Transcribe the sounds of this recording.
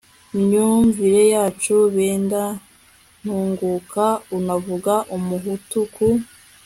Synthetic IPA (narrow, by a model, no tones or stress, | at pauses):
iɲuɱviɾe̞jaːt͡ʃuβeːnda | n̥huːŋɡukʰaunavuɡaʔumuɦutukʰu